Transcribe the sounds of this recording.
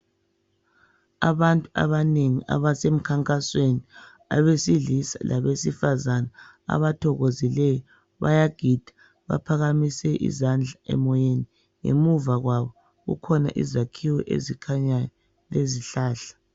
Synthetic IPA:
a̰βantʼua̰βaneŋiʔa̰βasem̩kʰaŋkʼasweni | a̰βesiɮisa̰lʔaβesifazana | a̰βatʰɔɣozilɛjɔ | βa̰jaɡ̥ʱid̥ʱḁ | βa̰pʰaɣamisɛʔḭzand͡ɮʱaʔɛ̰mɔjeni | ŋḛmuvaɣwaβɔ | ɣṵkʰɔna̰ʔḭzakʰiwɛʔḛzikʰaɲa | leziɬaːɬḁ

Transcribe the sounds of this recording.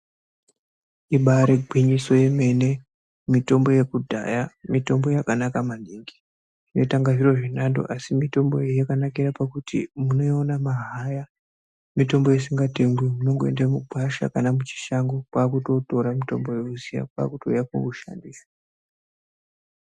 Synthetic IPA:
iɓaɾeɡʱwiɲiso̞je̞me̞ne̞ | mito̞mbo̞je̞kudʱa̰jamito̞mbo̞jakanakamaniŋɡi̥ | ʐ̥ine̞taŋɡaʐiro̞ʐinando̰ʔasimito̞mbo̞jejakanakiɾapakutḭmuno̞onamaɦaja | mito̞mbo̞jesiŋɡate̞ŋɡwimuno̞ŋɡoendamuɡʱaʃa̰kanamut͡ʃi̥ʃaŋɡokwaːkuto̞to̞ɾamito̞mbo̞jeuzija̰kwa̰ːkutojako̰uʃa̰ndiːsḁ

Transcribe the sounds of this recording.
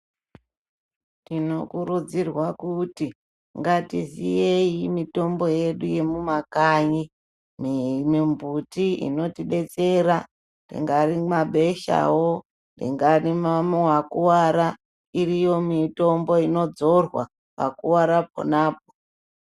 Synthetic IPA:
tino̞kurud͡zirwakuti | ŋɡatizijeimito̞mbo̞je̞ɗuje̞mumakaɲi | mmimbutiḭno̞tiɗe̞t͡se̞ɾa | rḭŋɡarimaɓe̞ʃa̰wo | ndḭŋɡarimamowakuwaɾa | irijo̞mito̞mbo̞ino̞d͡zo̞rwa̰ | pakuwaɾapo̰naːp̚o̥

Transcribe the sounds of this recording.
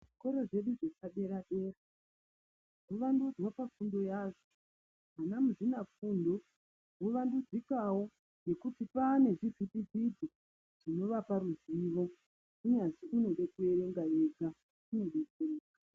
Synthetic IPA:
ʐiko̞ɾo̞ʐe̞ɗuʐesaɓe̞ɾaɓe̞ːra | ʐoʋandud͡zwapafundo̞jaʐo | ɦanamuʐinafundo̞ | ɦoʋandud͡zikawo̞ | je̞kutipane̞ʐivitid͡zid͡zi | ʐ̥ino̞ʋapaɾuziʋo̞ | uɲanziuno̞ɗekue̞ɾe̞ŋɡajed͡za | une̞ɗekuiːkḁ

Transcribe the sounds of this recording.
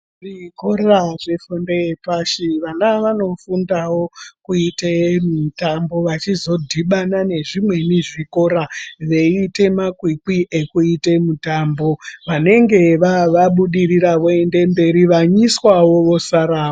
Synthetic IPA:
ʐikoɾaʐefondeepaʃiʋanaʋano̞fundawo̞kuitemitambo̞ʋat͡ʃizo̞dʱiɓanane̞ʐimwe̞niʐiko̞ɾaʋe̞ite̞makwikiʔe̞kuite̞mutambo̞ʋane̞ŋɡe̞ʋaʋaɓuɗiriɾaʋoe̞nde̞mbe̞ɾiʋaɲiswawo̞ʋo̞saɾaːma

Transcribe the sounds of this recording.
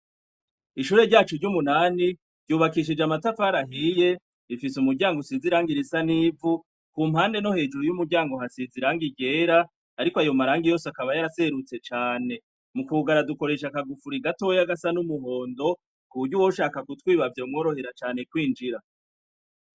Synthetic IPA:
iʃuːɾe̞ɾɟaːt͡ʃuɾɟumunaːni | ɾɟuːβakiʃ̬id͡ʒamatafaɾaɦije̞ | ifisumuɾɟaːŋɡusiziɾaːŋɡiɾisaniːvu | kuːm̥haːnde̞no̞he̞ːd͡ʒuɾujumuɾɟaːŋɡo̞hasiziɾaːŋɡiɡe̞ːɾaː | ɾikoajo̞maɾaːŋɡijo̞ːsakaβajaɾase̞ɾut͡se̞t͡ʃaːne̞ | mukuɡaɾaduko̞ɾe̞ʃakaɡufuɾiɡato̞jaɡasanumuɦo̞ːndo̞ | kuβuɾɟuwoʃaːkakutwiːβavjomŋo̞ːɾo̞he̞ɾat͡ʃaːne̞kwiːnd͡ʒiɾa

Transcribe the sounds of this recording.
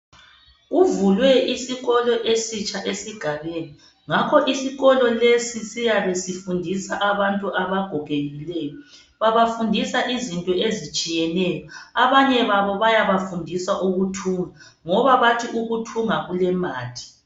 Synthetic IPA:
uvulwɛisiɣɔlɔʔesit͡ʃʼaʔesiɡ̥ʱaβeni | ŋakʰɔʔisiɣɔlɔlesisijaβesifundʱisaʔaβantʼuʔaβaɡ̥ʱɔɡ̥ʱeɣilɛːjɔ | βaβafundʱisaʔizintʼɔezit͡ʃʼijɛnɛjɔaβaɲɛβaβɔβajaβafundʱisaʔuɣutʰuːŋa | ŋɔβaβatʰiʔuɣutʰuŋaɣulɛmaːtʰi̥

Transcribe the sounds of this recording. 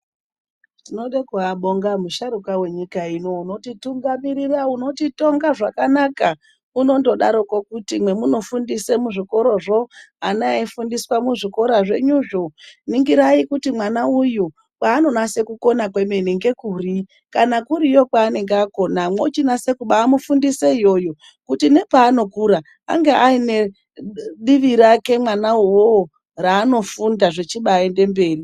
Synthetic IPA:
tino̞ɗekuaɓoŋɡamuʃaɾukawe̞ɲikaino̞uno̞tituŋɡamiɾirauno̞tito̞ŋɡaʐakanaka | uno̞ndo̞ɗa̰ɾo̞kokutimwe̞muno̞fundisemuʐiko̞ɾo̞ʐo̞anaifundiswamuʐiko̞ɾaʐe̞ɲuʐoniŋɡiɾaikutimwanauju | kwaːno̞nase̞kuko̞nakwe̞meniŋɡe̞kuːri | kanakuɾijo̞kwaːneŋɡːko̞namo̞t͡ʃinase̞kuɓaːmufundiseijo̞jo | kutine̞paːno̞kuɾa | a̰ŋɡeʔaine | ɗiʋiɾakemwanawo | raːno̞fundaʐe̞t͡ʃiɓaende̞mbe̞ːri

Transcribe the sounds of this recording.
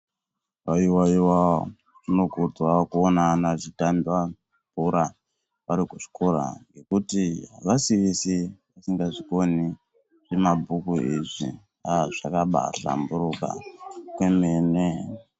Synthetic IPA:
ʋaiwaiwa | ʐino̞ɡʱud͡zwakuonanaʐitambiwa | mbuɾa | ʋaɾikuʐi̥koɾa̰ŋɡe̞kutiɦaʋasiʋisiʋasiŋɡaʐiko̞ni | ʐ̥emabʱukuiʐḭ | aʐ̥akaɓa̰ɬa̰mbuɾuka̰kwemeːne

